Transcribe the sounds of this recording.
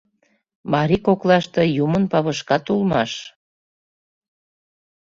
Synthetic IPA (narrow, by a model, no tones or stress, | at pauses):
mɑɾikoklɑʃt̪ejumənpɑβəʃkɑt̪ulmɑʃ